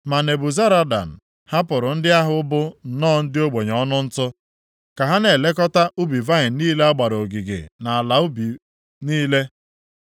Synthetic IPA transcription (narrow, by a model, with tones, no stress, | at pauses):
ma˨ne˨bʊ˨za˦ɾa˦da̰˨n̩˨ | ha˦pʊ˨ɾʊ˨n̩˦dɪ˦a˦ɦʊ˦bʊ˦n̩˨nɔː˦˨n̩˦dɪ˦o˦ɡ͡be˨ɲ˨ɔ˦nʊ˦n̩˦tʊ˦ | ka˨ɦa˦ne˨le˦k̬ɔ˦ta˦ʔu˦bi˨va˦ɪ˨n̩˦niː˦le˦a˦ɡ͡ba˨ɾo˨ɡi˨ɡḛ˨na˨a˨la˨ʊ˦bi˨ | niː˦le˦